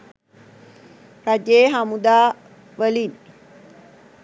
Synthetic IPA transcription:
ɾad͡ʒeːɦamud̪aː | ʋəlin

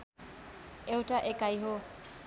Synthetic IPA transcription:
ewʈaʔekajɦo

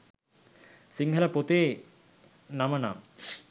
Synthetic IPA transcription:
siŋɦəlɐpot̪eː | namɐna̰m

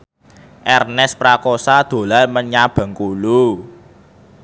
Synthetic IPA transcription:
ʔɛrnɛspɾakɔsad̪̥o̤lalməɲab̥a̤ŋkulu

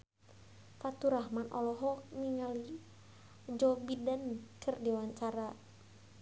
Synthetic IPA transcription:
fat̪uɾahmanʔɔ̰lɔɦɔk̚niŋali | d͡ʒɔbidankərdiwaɲt͡ʃaɾa

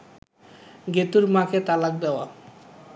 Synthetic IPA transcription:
ɡet̪uɾmaket̪alak̚d̪ɛoa

